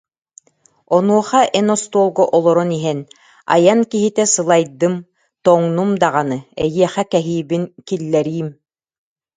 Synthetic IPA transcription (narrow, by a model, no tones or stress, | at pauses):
ɔnuɔχaʔɛnɔst̪uɔlˠɡɔʔɔlˠɔɾɔniɦɛn | a̰jankiɦit̪ɛsɯlˠajd̪ɯm | t̪ɔŋnumd̪aʁanɯɛ̰jiɛχɛkɛɦiːbinkilːɛɾiːm